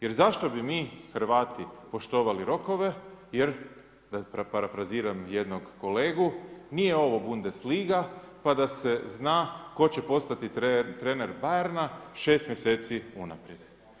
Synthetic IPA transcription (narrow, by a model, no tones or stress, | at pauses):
jeɾzaʃt̪o̞bimiːxɾʋaːt̪ipo̞ʃt̪o̞ːʋaliɾo̞ko̞ʋe̞jeɾ | d̪apapaɾafɾaziːɾamjed̪noɡko̞le̞ːɡunijeo̞ʋo̞bund̪esliːɡa | pad̪ase̞znaːko̞t͡ɕepo̞st̪at̪it̪ɾeneɾbajeɾnaʃe̞ːst̪mjese̞ːt̪siuna̰pɾjed̪̥